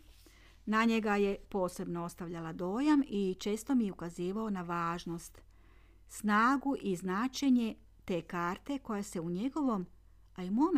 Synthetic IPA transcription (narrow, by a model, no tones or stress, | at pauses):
naɲe̞ɡaje̞po̞ːse̞bno̞o̞st̪aʋʎalad̪o̞ːjamit͡ʃe̞ːst̪o̞mijeukaziːʋao̞naʋaːʒno̞st̪ | snaːɡuʔiznaːt͡ʃe̞ɲe̞ | t̪e̞ːkaːɾt̪e̞ko̞jase̞uɲe̞ɡo̞ʋo̞m | aimom